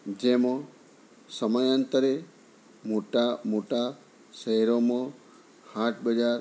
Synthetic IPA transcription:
d͡ʒemõ | səməjant̪əɾe | moʈamoʈa | ʃəɦɛɾomã | haʈ̚ʰbəd͡ʒaɾ

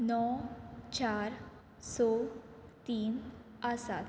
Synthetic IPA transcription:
nɔt͡ɕaɾ | sɔt̪iːn | əsa̰t̪

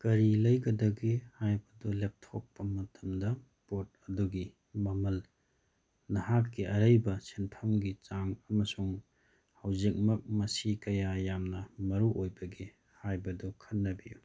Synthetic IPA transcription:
kɐɾilɐjɡɐdɐɡihajbɐdulep̚tʰok̚pɐmɐtʰɐmdɐ | pot̚ɐduɡi | mɐmɐl | nɐhakːiɐɾɐjbɐsenpʰɐmɡit͡ʃaŋɐmɐsuŋ | hawzik̚mɐk̚mɐsikɐjajamnɐmɐɾuʔojbɐɡi | hajbɐdukʰɐt̚nːɐbiju

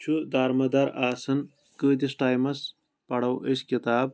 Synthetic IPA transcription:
t͡ɕʰud̪aːɾmɐd̪ɐɾaːsɐn | kəːd̪isʈaːjmɐs | pɐɽɐwʔiɕkit̪aːb̚

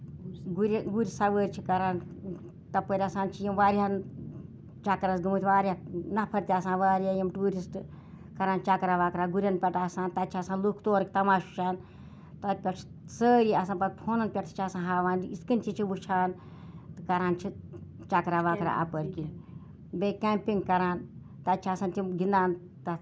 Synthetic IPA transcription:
ɡuɾʲɡuɾʲisɐʋəːɾʲt͡ʃʰikɐɾaːn | t̪ɐpəɾʲasaːnt͡ʃʰijɐmʋaːɾiɦan | t͡ʃakɾɐsɡɨmɨt̪ʰʲʋaːɾʲianɐpʰɐɾt̪ʲaːsãːʋaːɾjajɐmʈuːɾisʈ | kɐɾaːnt͡ʃakɾaːʋaːkɾaːɡuɾʲɐnpʲɐʈasaːnt̪ɐt̪̚t͡ʃʰiasaːnlukʰt̪oːɾkʲit̪ɐmaːʃu̥t͡ʃʰaːn | t̪ɐt̪̚ʲpʲɐt͡ʃʰi̥ | səːɾiɐsaːnpɐt̪̚p̪ʰoːnɐnpʲɐʈt̪ʰi̥t͡ʃʰasãːnɦaːʋaːniiskint͡ʃʰit͡ʃʰiʋut͡ʃʰaːn | t̪ɨkɐɾaːnt͡ʃʰi | t͡ʃakɾaːʋaːkɾa̰ʔɐ̰pəɾkin | bekampiŋɡkɐɾaːn | t̪at̪̚t͡ʃʰiaːsaːnt̪imɡind̪aːn | t̪ɐ

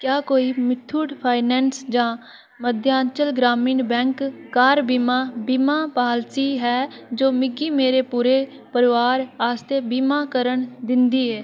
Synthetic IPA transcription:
kjaːkoːimɪt̪ʰːuːɖpʰaːɪnɛːnsd͡ʒãː | məd̪ʱjãːɲt͡ʃəlɡɾaːmiːnbɛ̃ːŋkːaːɾbimaːbimãːpaːlsiːɦɛːd͡ʒoːmɪɡiːmeːɾeːpuːɾe | pəɾɪʋaːɾaːst̪ebiːmaːkəɾəɳd̪ɪ̃nd̪iːɦɛː

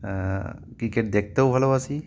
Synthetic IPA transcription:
kikeʈ̚d̪ek̚ʰt̪əwbʱalowasi

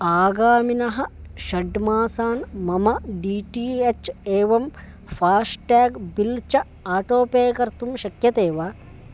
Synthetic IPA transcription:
aːɡaːminɐɦɐ̆ʃɐɖmaːsaːnmɐmɐɖiːʈiːet͡ʃeːʋɐm | fʰaːsʈaːɡbilt͡ʃɐ | aːʈoːpeːkɐɾt̪umʃɐkjɐt̪eːʋaː

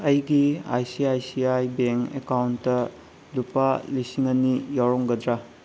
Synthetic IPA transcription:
ɐjɡia̰jsiajsiajbeŋkḛkawntːɐ | lupalisiŋɐnijawɾoŋɡɐdɾa

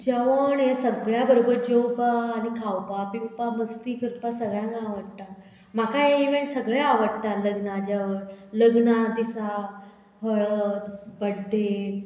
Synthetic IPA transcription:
d͡ʑaʋəɳjesəɡɭjabəɾobəɾd͡ʑewpaːnikʰawpapipaməst̪iːkʰəɾpasəɡɭjãŋɡaʋəɽt̪a | m̤akaeiʋẽɳʈsəɡɭeaʋəɽt̪aləɡnad͡ʑaʋəɾləɡnad̪isa | ɦəɭəbəɽɖʱːe

